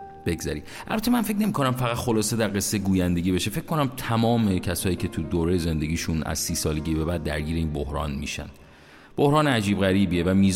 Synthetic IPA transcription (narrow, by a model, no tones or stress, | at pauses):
b̥e̞ɡzæ̰ɾiː | ʔæ̰lbæt̪ʰemænfe̞c̬ʰne̞miːkʰo̞næmfæɣæt̪xo̞lɒːse̞d̪æɾɣe̞sːeɡuːjænd̪e̞ɡʲiːbe̞ʃe̞fe̞c̚ko̞næmt̪ʰæmɒːme̞cʰæsɒːjiːcʰe̞t̪ʰud̪oːɾejeze̞nd̪e̞ɡʲiːʃunæ̰z̥siːsɒːle̞ɟibe̞bæːd̪ːæ̰ɾɡiːɾeiːnbohɾɒ̰ːnmḭːʃæ̰nd̥̪ | b̥o̞hɾɒːnæd͡ʒiːbɣæɾiːbievæmiːz